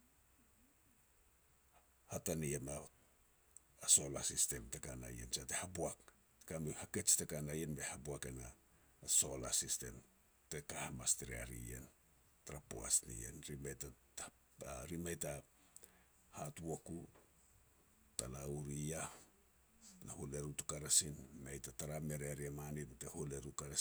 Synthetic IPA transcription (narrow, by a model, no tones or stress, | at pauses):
hataniema | aso̞lasiste̞mtekana̰jḛnt͡ʃatehabuak | tkamehake̞t͡ʃtekanajenbe̞habuake̞na̰ | so̞lasiste̞̰n | tekahamasteɾia̰ɾḭḛn | taɾapo̰a̰snḭjḛnɾimata | ɾimajta | hatuoku | ta̰lauɾija | nahole̞ɾutu̥kaɾasinːajtataɾame̞ɾeaɾiamanintehole̞ɾukaɾa